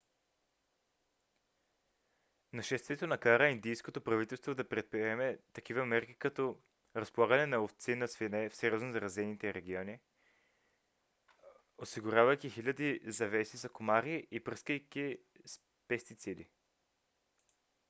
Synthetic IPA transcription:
nɐʃɛst̪vʲiɛt̪onɐkaɾəind̪ijskot̪opɾɐvit̪ɛlˠst̪vod̪ɐpɾɛt̪̚pɾiɛmɛt̪ɐk̟ivəmɛɾk̟i̥kɐt̪ɔ | ɾɐspolˠaɡɐnɛnɐoft̪sinɐsvinɛfsɛɾʲjɔznozɐɾɐzɛnit̪ɛɾɛɡʲiɔni | osiɡʊɾʲjavɐjkixilʲɐd̪izɐvɛsizɐkomaɾiʔipɾɤskəjkʲis | pɛst̪it̪sid̪i

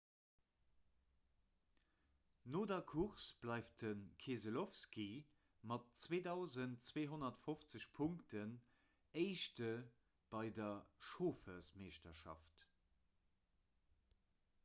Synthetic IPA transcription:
noːdɐkʰuʁsb̥lɑɪftənkʰeːzəlofski | mɑtt͡sweːdɑʊzəntt͡sweːɦonɐtfoft͡səɕpʰʊŋktʰən | əɪʃtə | b̥ɑɪdɐʃoːfəsmeːʃtɐʃɑ̰ft

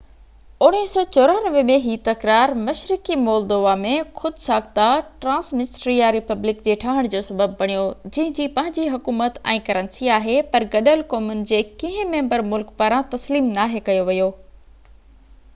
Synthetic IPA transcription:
ʊɽ̃iɪsɔːt͡ɕʊːɾaːnəʋmẽɦiːt̪ɐkɾaːɾmɐʃɾɪkimɔːld̪oːʋamẽxʊd̪saːkt̪aʈɾãːsmɪsʈɾijaɾɪpɐblɪkd͡ʑeːʈʰaːɦəɽ̃d͡ʑoːsɐbəbːɐɽ̃ijod͡ʑɐ̃ɦɪ̃d͡ʑiːpɐ̃ɦɪ̃ɲd͡ʑiɦɐkuːmət̪ɛ̃ːkɐɾənsiaːɦepɐɾɡɐɗəlkɔːmʊnɪ̆d͡ʑeːkĩɦɪ̃mɛ̃ːmbəɾmʊlkpaːɾãt̪ɐsliːmnaːɦekɐjoʋɐjoː

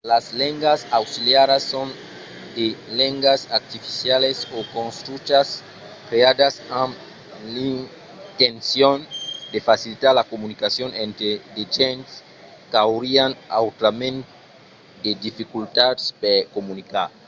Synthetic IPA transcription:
lazlẽŋɡasawsiljaɾasːõn | d̪elẽŋɡasaɾt̪ifisjalesokõnst̪ɾut͡ʃas | kɾead̪asãm | lin | t̪ẽnsjond̪efasilit̪aɾlakomunikasjonẽnt̪ɾed̪ed͡ʒẽns | kawɾiana̰wt̪ɾamẽnt̪ | d̪ed̪ifikult̪aspeɾkomunikaɾ

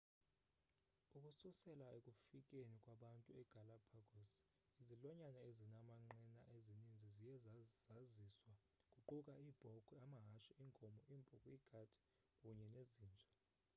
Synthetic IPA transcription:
ukʼususɛlaekʼufikʼenikʼwaɓantʼuɛɡ̥ʱalapʰaɡ̥ʱɔs | izilɔɲanaezinamaŋ͡ǃɛnaʔezinind͡zʱizijɛzaziswa | kʼuǃukʼaiːb̥ʱɔkʰuamaɦaʃiiŋkʼɔmɔimpʼukʼwiɡ̥ʱad̥ʰʱi̥ | kʼuɲɛneziːnd͡ʒʱa

